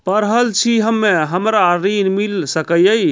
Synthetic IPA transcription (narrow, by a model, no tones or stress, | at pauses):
pəɾɦəlt͡ʃʰiɦəmːeɦəmɾaɾinmilsəkəjəj